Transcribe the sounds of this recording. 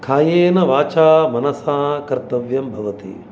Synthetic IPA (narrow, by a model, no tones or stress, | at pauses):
kʰaːjeːnɐʋaːt͡ʃaːmɐnɐsaːkɐɾt̪ɐʋjɐmbʱɐʋɐt̪ḭ